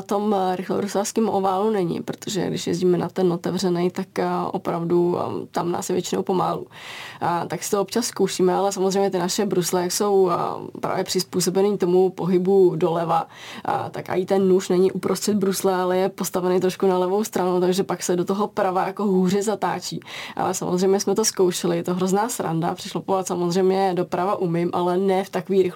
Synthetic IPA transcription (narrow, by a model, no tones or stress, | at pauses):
at̪o̞mɾɪxlo̰bɾuslafskimʔovaːlunɛɲɪ̰pɾo̞̥t̪ʰoʒɛ̰ɡdɪ̰ʃjɛ̰zɟiːmɛnat̪ɛno̞t̪ɛvr̝ɛnɛjt̪akʔo̰pɾavdut̪amna̰ːsjɛvjɛt͡ʃɪno̞wpo̞ma̰ːlṵ | t̪aksɪ̥t̪oop̚t͡ʃasːko̞wʃiːmɛalɛs̬amozrɛjmɲɛt̪ɪnaʃɛbɾuslɛjakso̞wpɾa̰ːvjɛpr̥ɪspuːs̬o̞bɛniːt̪o̞mupo̞ɦɪbudo̞lɛva | t̪a̰kʔa̰ɪt̪ɛnːuʃnɛɲɪʔupɾost̪r̥ɛd̪̚bɾuslɛalɛjɛpo̞st̪avɛnejt̪ɾo̞ʃkunalɛvo̞wst̪ɾanowt̪aɡʒɛpaksɛdo̞t̪oɦo̞pɾavajakoɦuːr̝ɛzat̪a̰ːt͡ʃiːʔa̰lɛsa̰mʔozrɛjmɲɛsmɛt̪o̞skowʃɛlɪjɛt̪oɦɾo̞znaːsɾa̰nda̰pr̥ɪʃlopovat̪samozr̝ɛjmɲɛdo̞pɾavaʔumɪmʔa̰lɛnɛft̪akoviːɾɪx